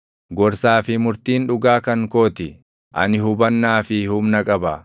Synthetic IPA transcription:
ɡɔɾsaːfɪmʊɾt̪iːnᶑʊɡaːkɐŋko̞ːt̪ɪ | ʔɐ̰nɪɦʊbɐnːaːfɪhʊmnɐkʼɐbɐ

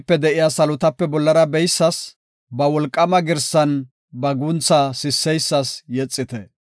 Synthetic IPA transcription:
pːɛd̪ɛʔɪjasɐlʊt̪ɐpːɛbɔlːɐɾɐbɛjsːɐs | bɐwɔlkʼːɐmɐɡɪɾsɐn | bɐɡʊnt͡sasɪsːɛjsːɐsjɛt͡sʼːɪt̪ɛ

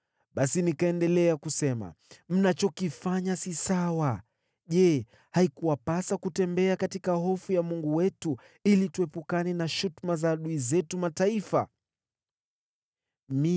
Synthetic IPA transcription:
ɓasinikaɛndɛlɛakusɛma̰m̩nat͡ʃɔkifaɲasisawa | ʄɛ | haikuwapasakutɛmbɛakatikahɔfujamuŋɡuwɛtu | ilituɛpukanɛnaʃutmazaːɗuizɛtumataifa̰ | mi

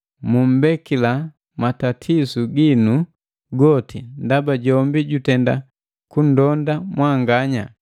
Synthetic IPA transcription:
mum̩bɛkila | matatʰisuɡinu | ɡɔtʰindabaɟɔmbiɟutɛnda | kun̩dɔndamwaŋɡaɲa̰

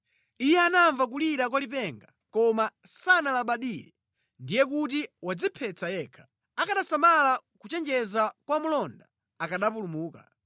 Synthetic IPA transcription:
ijɛanaɱvak̬uliɾak̬walip̬ɛŋɡa | kɔmasanalaɓaɗiɾɛ | ndijɛk̬ut̬iwad͡zipʰɛt͡sajɛkʰḁ | akaɗasamalakut͡ʃɛnd͡ʒɛzakwamulɔnda | akaɗapulumuːka̰

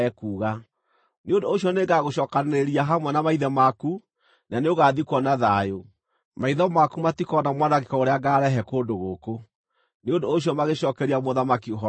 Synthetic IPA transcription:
ɛkuːɣa | neondooɕiɔneɡaɣoɕɔːkaneɾiaɦamwɛnamaiðɛmaku | naneoɣaðikwɔnaðajo | maiðɔmakumatikɔnamwanaɣekɔoɾeaɡaːɾɛɦɛkoːndoɣoko | neondooɕiɔmaɣeɕɔːkɛɾiamoðamakiɦɔ

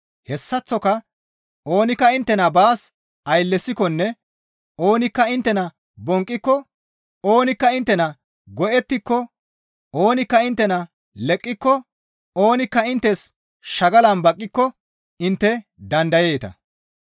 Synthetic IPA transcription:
hɛsːɐt͡sːɔkɐ | ʔo̞ːnɪkːɐɪnt̪ːɛnɐbaːs | ɐjlːɛsːɪkɔnːɛ | o̞ːnɪkːɐɪnt̪ːɛnɐ | bɔŋkʼːɪkːɔ | o̞ːnɪkːɐɪnt̪ːɛnɐ | ɡɔʔɛt̪ːɪkːɔ | o̞ːnɪkːɐɪnt̪ːɛnɐ | lɛkʼːɪkːɔ | o̞ːnɪkːɐɪnt̪ːɛs | ʃɐɡɐlɐnbɐkʼːɪkːɔ | ɪnt̪ːɛd̪ɐnd̪ɐje̞ːt̪ɐ̰

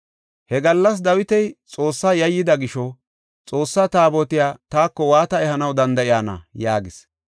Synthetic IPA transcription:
hɛɡɐlːɐs̬d̪ɐwɪt̪ɛjt͡sʼo̞ːsːaːjɐjːɪd̪ɐɡɪʃɔ | t͡sʼo̞ːsːaːt̪aːbɔt̪ɪjaːt̪aːkːɔwaːt̪ɐɛhɐnɐwd̪ɐnd̪ɐʔɪjaːnɐ̰jaːɡɪs

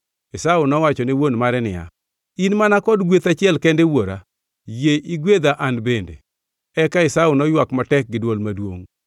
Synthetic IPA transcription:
ɪsaʊnɔwat͡ʃɔniwonmaɾɛnɪ̰ja̰ | inmanakɔdɡwet̪at͡ʃɪɛlkɛndewoɾa̰ | jeʔiɡwed̪aʔanbendḛ | ɛkaɪsaʊnɔjwakmatɛk̚ɡɪdwolmadwo̰ŋ

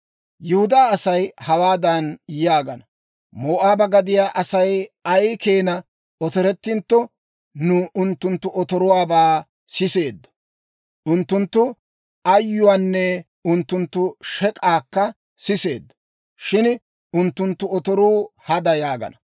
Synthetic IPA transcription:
jʊhʊd̪aːɐsɐjhɐwaːd̪ɐnjaːɡɐnɐ | moːʔaːbɐɡɐd̪ɪjaːʔɐsɐjɐjkeːnɐ | ɔt̪ɔɾɛt̪ːɪnt̪ːɔ | nʊʔʊnt̪ːʊnt̪ːʊʔɔt̪ɔɾʊwaːbaː | sɪse̞ːd̪ːɐ̥ | ʔʊnt̪ːʊnt̪ːʊ | ɐjːʊwaːnːɛ | ʊnt̪ːʊnt̪ːʊʃɛkʼaːkːɐ | sɪse̞̰ːd̪ːɐ̥ | ʃɪn | ʊnt̪ːʊnt̪ːʊɔt̪ɔɾuːhɐd̪ɐjaːɡɐ̰nɐ

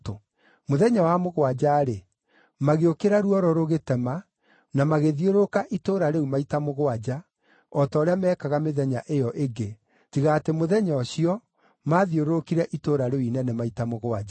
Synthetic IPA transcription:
to | moðɛɲawamoɣwad͡ʑaːɾe | maɣeokeɾaɾuɔɾɔɾoɣetɛma | namaɣeðioɾokaʔitoɾaɾeumaitamoɣoad͡ʑa | ɔtɔːɾeamɛːkaɣameðɛɲaʔejɔʔeɡe | tiɣaːtemoðɛɲɔɕiɔ | maːðioɾookiɾɛʔitoɾaɾeuinɛnɛmaitamoɣoad͡ʒa

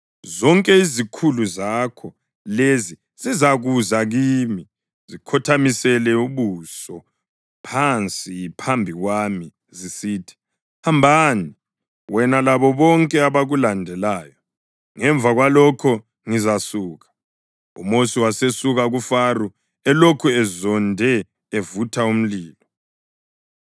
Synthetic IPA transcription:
zɔŋkʼɛizikʰuluzakʰɔ | lezi | zizaɣuzaɣiːmi | zikʰɔtʰamisɛlɛuβusɔ | pʰant͡sʼiipʰambʱiɣwami | zisiːtʰi̥ | hambʱaːni | wɛnalaβɔβɔŋkʼɛaβaɣulandʱɛlaːjɔ | ŋɛɱb̪vaɣwalɔkʰɔ | ŋizasuːɣa | ṵmosiwasesuɣaɣufaru | ɛlokʰuɛzɔndʱɛ | evutʰaum̩liːlɔ

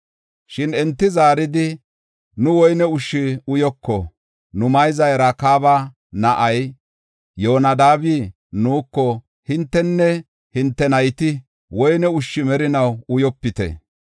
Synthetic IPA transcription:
ʃɪnɛnt̪ːɪzaːɾɪd̪ɪ | nʊwɔjnɛʊʃːɪʊjɔkːɔ | nʊmɐjzɐjɾɐkaːba | nɐʔɐj | joːnɐd̪aːbiː | nuːkːɔ | hɪnt̪ːɛnːɛ | hɪnt̪ːɛnɐjt̪ɪ | wɔjnɛʊʃːɪmɛɾɪnɐwʊjɔpːɪt̪ɛ̰

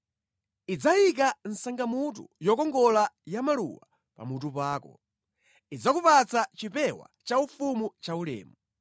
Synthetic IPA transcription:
id͡zajik̬an̩saŋɡamut̬ṵjɔkɔŋɡɔlajamalṵwa | pa̰mut̬upaːkɔ̰ | id͡zakupat͡sat͡ʃipɛwa̰t͡ʃaufumut͡ʃaulɛ̰ːmu

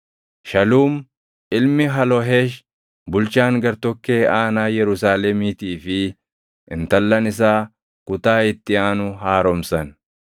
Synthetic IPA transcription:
ʃɐluːm | ʔɪlmɪɦɐlɔɦeːʃ | bʊlt͡ʃaːŋɡɐɾt̪ɔkːe̞ːaːnaːjɛɾʊs̬aːlɛmiːt̪iːfɪ | ʔɪnt̪ɐlːɐnɪs̬aː | kʊt̪aːɪt̪ːɪaːnʊɦaːɾɔmsɐn

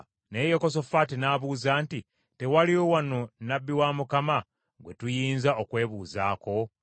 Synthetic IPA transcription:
ne̞jokos̬o̞fatinaːβuːzaːnti | te̞waliowano̞nabːiwamukama | ɡwe̞tujiːnzaokwe̞ːβuːza̰ːko̞

